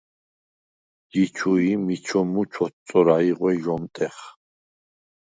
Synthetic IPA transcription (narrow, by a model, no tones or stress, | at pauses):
ɡit͡ʃʰuimit͡ʃʰɔmut͡ʃʰɔt̪t͡sːʼɔɾaiʁwɛʒɔmt̪ʼɛχ